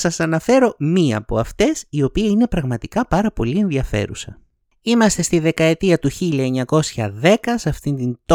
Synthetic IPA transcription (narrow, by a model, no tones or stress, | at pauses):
sɐsɐnɐfe̞ɾo̞miɐːpo̞̰ɐft̪e̞sio̞piɐinepɾɐɣmɐt̪ikɐpɐɾɐpo̞lie̞nðiɐfe̞̰ɾṵsɐ̰ | imɐst̪e̞st̪iðe̞kɐe̞t̪iɐt̪uçiʎiɐeɲɐko̞sçɐðe̞kɐsɐft̪ind̪int̪